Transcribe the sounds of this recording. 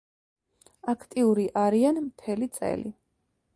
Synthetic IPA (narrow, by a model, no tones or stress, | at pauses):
akʰt̪ʼiuɾiʔaɾianmt̪ʰɛlit̪sʼɛ̰li